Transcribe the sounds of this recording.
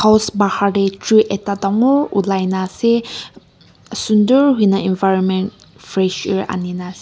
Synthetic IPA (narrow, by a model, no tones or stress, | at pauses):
kʰawsbahaɾetɾuʔetadaŋoulajnase | sunduɾɦujnainvajɾɔnment̚ | fɾɛʃiɾa̰ninase